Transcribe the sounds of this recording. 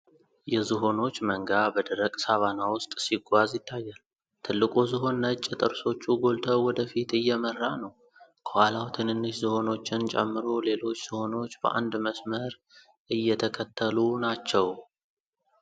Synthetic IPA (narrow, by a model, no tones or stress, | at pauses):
jɛzɨɦo̞no̞t͡ʃːməŋɡabəd̪əɾəkʼsaβanawʊst̪ʼsiɡʷazjɪt̪ʰːajːal | t̪ʰɨlːɨkʼuzɨɦo̞nːət͡ʃʼːɪt̪ʼɨɾso̞t͡ʃːuɡo̞lt̪ʰəwwɔd̪əfit̪ɨjːɛmərːanəw | kʰəhalawt̪ʰɨnɨnːɨʃzɨho̞no̞t͡ʃːɪnt͡ʃʼɛ̰mːɨɾo̞le̞lo̞t͡ʃːz̥ɨho̞no̞t͡ʃːbə̰ʔa̰nd̪məsməɾ | ʔɨjːɛt̪ʰəkʰət̪ʰːəlunat͡ʃːɛw